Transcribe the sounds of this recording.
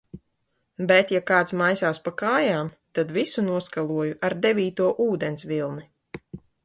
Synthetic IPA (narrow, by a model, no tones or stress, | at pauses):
bɛt̪jakaːt̪smajsaːspakaːjaːmt̪ad̪visunuɔskalˠuɔjuʔaɾd̪ɛvʲiːt̪uɔʔuːd̪ɛnsʲvilˠmi